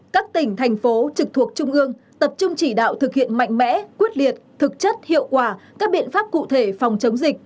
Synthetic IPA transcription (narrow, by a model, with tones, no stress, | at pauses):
kaː˦˥k̚t̪ï˧˩ŋ̟t̪ʰa˨˩jŋ̟fo˨˦t͡ɕɨ˨˩k̚t̪ʰu˨˩ək̚t͡ɕʊ˧ŋ͡mʔɨ˧əŋt̪ə˨˩p̚t͡ɕʊ˧ŋ͡mt͡ɕi˧˩ɗa̰ː˧˨wt̪ʰɨ˨˩k̚hḭ˧˨ənma̰˧˨jŋ̟mɛ̰˧˥kwi˦˥ət̚li˨˩ət̚t̪ʰɨ˨˩k̚t͡ɕə˦˥t̚hḭ˧˨əwkwaː˧˩kaː˦˥k̚ɓḭ˧˨ənfaː˦˥p̚kṵ˧˨t̪ʰe˧˩fa˨˩wŋ͡mt͡ɕə˨˦wŋ͡mzï˨˩k̚